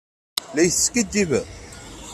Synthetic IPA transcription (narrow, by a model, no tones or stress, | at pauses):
læjθskəd̪ːivæ